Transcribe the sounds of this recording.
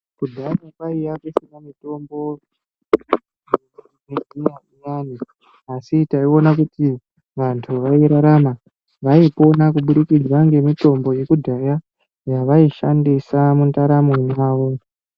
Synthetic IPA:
kudʱajakwaijakusinamito̞mbo̞ | nezinaʔijani | asitaio̞nakuti | ʋantʰuʋaiɾaɾama | ʋaipo̞nakuɓuɗikid͡ʒwaŋɡe̞mito̞mbo̞je̞kudʱaja | jaʋaiʃandisamuntaɾamojaːʋo̞

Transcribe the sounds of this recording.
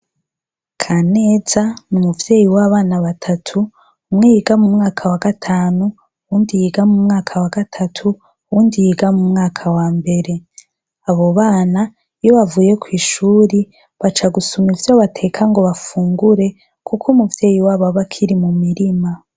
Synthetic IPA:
kʰane̞ːzanumuvje̞ːjiwaβaːnaβatʰatʰu | mŋiiɡamumŋaːkʰawaɡatʰaːnu | wuːndijiɡamumŋaːkʰawaɡatʰatʰu | wuːndijiɡamumŋaːkʰawaːmbe̞ɾe̞ | aβo̞βaːna | joβavuːje̞kwiːʃuːɾi | βat͡ʃaɡusumivjoβatʰe̞kʰaŋɡo̞βafuːŋɡuɾe̞ | kʰukʰumuvje̞ːjiwaβaβakʰiɾimumiɾima

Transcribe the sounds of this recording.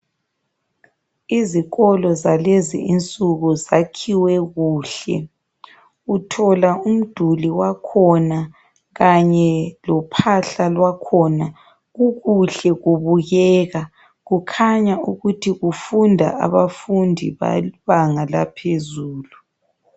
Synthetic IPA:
iziɣɔlɔzalɛzḭint͡sʼuɣuzakʰiwɛɣuːɬɛ̰ | utʰɔlaum̩d̥ʱuliwakʰɔna | ɣaɲɛlɔpʰaɬalwakʰɔna | ɣuɣuɬɛɣuβuɣɛːɣa | ɣukʰaɲauɣutʰiɣufundʱa̰a̰βafundʱḭβa̰βaŋala̰pʰezuːlu

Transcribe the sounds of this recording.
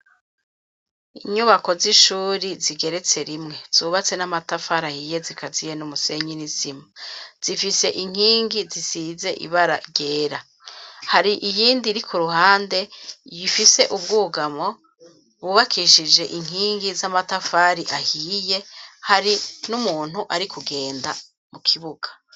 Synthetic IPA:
iɲuβako̞ziʃuːɾiziɡe̞ɾe̞t͡se̞ɾimŋe̞z̥uːβat͡se̞namatafaɾahiːje̞zikazijenumuse̞ɲinizimaz̥ifise̞ʔiŋ̥hiːŋɡizisiːze̞ʔḭβaɾa̰ɾɟe̞ːɾa | haɾiʔijiːndiɾikʰuɾuhaːnde̞jifise̞ʔubɡuːɡamo̞ | βuβakʰiʃid͡ʒe̞ʔiŋ̥iːŋɡizamatafaːɾiʔahiːje̞haɾinumuːn̥huʔaɾikuɡe̞ːnda | mukʰiβuɡ̥ḁ

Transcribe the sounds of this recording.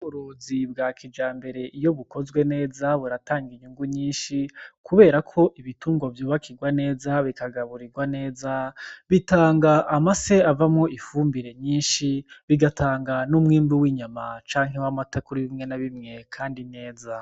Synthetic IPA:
uɾoːzibɡaːkid͡ʒaːmbe̞ɾe̞ʔijo̞βuko̞zɡwe̞ne̞ːzaβuɾataːŋɡiɲuŋɡuɲiːnʃikʰuβe̞ːɾakʰo̞ʔiβituːŋɡovjoːβakʰiɡwane̞ːzaβikaɡaβuɾiɡwane̞ːzaβitaːŋɡaʔːmaseavamŋo̞ifuːmbiɾe̞ɲiːnʃiβiɡatʰaːŋɡanumŋiːmbiwiːɲamat͡ʃaːŋ̥ɦewamatakuɾiβimŋe̞naβimŋe̞kʰaːndine̞ːza

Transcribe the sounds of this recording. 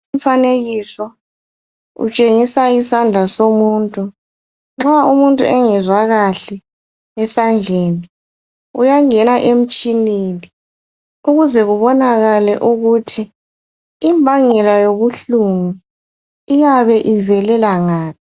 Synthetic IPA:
ɱfaneɣisɔ | ṵt͡ʃʼeŋisaisand͡ɮʱasomuːntʼu | ŋ͡ǁɔaumuntʼuʔɛŋɛzwaɣaɬɛ | ɛsand͡ɮʱeːni | ṵjaŋɛnaʔem̩t͡ʃʼinini | uɣuzɛɣuβɔnaɣalɛʔuɣutʰiː | mbʱaŋɛlajoβuɬuŋu | ijaβɛʔivɛlɛlaŋaːpʰ

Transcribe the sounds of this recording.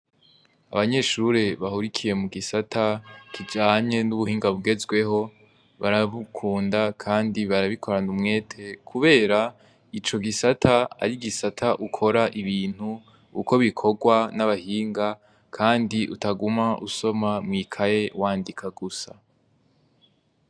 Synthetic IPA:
a̰βaɲe̞ʃuɾe̞βahuɾikʰije̞muɡisatʰakʰid͡ʒaːɲe̞nuβuhiːŋɡaβuɡe̞zɡwe̞ho̞ | βaɾaβukʰuːndakʰaːndiβaɾaβikʰo̞ɾanumŋe̞ːtʰe̞kʰuβe̞ːɾa | it͡ʃo̞ɡisatʰaa̰ɾiɡisatʰaʔukʰo̞ɾaʔiβiːn̥hu | kuko̞βikʰo̞ɡwanaβahiːŋɡa | kʰaːndiʔutaɡumaʔuso̞mamŋiːkʰaje̞waːndikʰaɡusa

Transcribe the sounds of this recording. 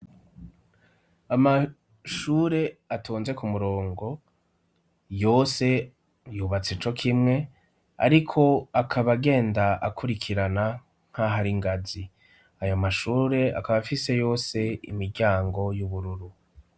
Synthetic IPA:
ama | ʃuːɾe̞atʰuːnze̞kumuɾo̞ːŋɡo̞ | jo̞ːse̞ | juːβat͡set͡ʃo̞kʰimŋe̞ | a̰ɾikʰo̞akʰaβaɡe̞ːndaakʰuɾikʰiɾana | ŋ̥haɦaɾiŋɡazi | ajomaʃuːɾe̞a̰kaβafise̞jo̞ːse̞ḭmiɾɟaːŋɡo̞juβuɾuɾu

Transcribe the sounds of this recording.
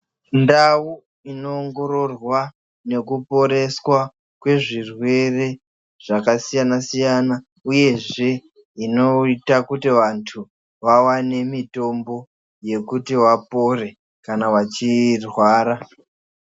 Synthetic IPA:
ndawu | inoːŋɡo̞ɾo̞rwa | ne̞kupo̞ɾe̞swa | kwe̞ʐirwe̞re̞ | ʐ̥akasijanasijana | uje̞ʐe̞ | ino̞itakutiʋantʰu | ʋawane̞mito̞mbo̞ | je̞kutiwapo̞re̞ | kanawat͡ʃirwaːɾa

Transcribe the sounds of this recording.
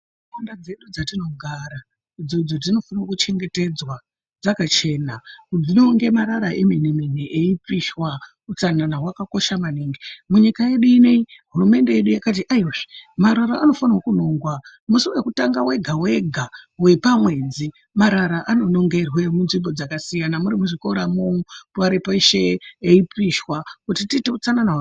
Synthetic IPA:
andad͡ze̞ɗud͡zatino̞ɡʱaɾa | id͡zod͡zotino̞fanawokut͡ʃe̞ŋɡe̞te̞d͡zwa | d͡zakat͡ʃe̞ːnakud͡zino̞ŋɡe̞maɾaɾaʔemenemeneʔeip͡fiʃwa | ut͡sananawakako̞ʃamaniːŋɡimuɲikaje̞ɗuine̞iɦurume̞nde̞jeɗujakat̬iʔaiwaʐimaɾaɾaːno̞fanaokuno̞ŋɡwa | musuwe̞kutaŋɡawe̞ɡʱawe̞ɡʱawe̞pamwe̞ːd͡zi | maɾaɾaʔano̞no̞ŋɡe̞rwe̞munʐimbo̞d͡zakasijanamuɾimuʐiko̞ɾamuuaɾipaiʃeeipiʃwakutitite̞ut͡sananawa

